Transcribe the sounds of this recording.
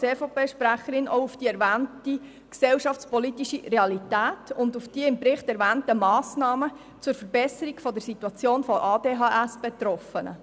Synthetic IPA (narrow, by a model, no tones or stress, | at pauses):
t͡seːfopeːʃpɾæχəɾɪno̰ʊʊfd̥iːɛɾvæːnti | ksɛwʃɑft͡spɔlitiʃiɾeɑlitæːtʊndufd̥iːəɪmpɾɪχtɛɾvæːntəmɑːsnɑːmə | t͡sʊːɾfəɾbɛsəɾiɡfɔdəɾsituɑt͡sjoːnfɔʔɑːdeːɦɑːʔæsb̥et̪ɾɔfənə̰